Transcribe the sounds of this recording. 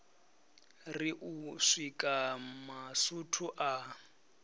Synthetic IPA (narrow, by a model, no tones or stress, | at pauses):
riʔuʂikʼamasutʰuʔa